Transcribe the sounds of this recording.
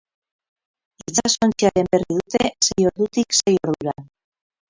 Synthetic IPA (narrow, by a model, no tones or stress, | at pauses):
et͡sasont͡siaɾe̞mbe̞riðut̪ese̞jo̞ɾðut̪ikse̞jo̞ɾðuɾa